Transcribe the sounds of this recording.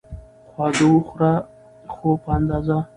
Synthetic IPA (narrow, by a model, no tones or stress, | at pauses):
xwɑd̪owuxɾa | xopəand̪ɑza